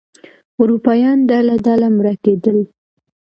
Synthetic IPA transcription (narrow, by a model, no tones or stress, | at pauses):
ʊɾupɑjɑnd̪alad̪alamɾaked̪əl